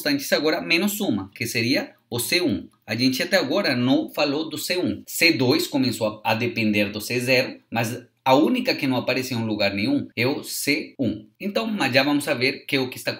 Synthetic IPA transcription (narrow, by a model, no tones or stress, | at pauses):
st̪ɐ̃nt͡ʃɪ̥saɣoɾɐmẽnʊsũmɐkeseɾiɐ | ʊseũŋ | aʒẽnt͡ʃɪat̪ɛaɡoɾɐnɐ̃falod̪ʊseũŋsed̪ojskomẽnsoad̪epẽnd̪eɾd̪ʊsezɛɾʊmaz | aunikɐkɪnɐ̃w̃apaɾesiũluɣaɾnẽɲũŋɛʊseũŋẽnt̪ɐ̃w̃masʒavãmʊsaveɾkeʊkɪest̪a